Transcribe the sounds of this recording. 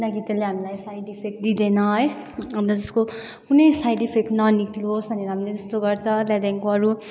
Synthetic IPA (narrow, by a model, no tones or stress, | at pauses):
unaɡit̪aleɦamilajsajɖipʰek̚d̪id̪enʌɦʌj | ʌnʌd͡zʌsko | kunʌjsajɖipʰeknʌnikloɦosbʱʌneɾʌɦamiled͡zʌst̪oɡʌrt͡sʰʌlad̪aŋkoʌɾu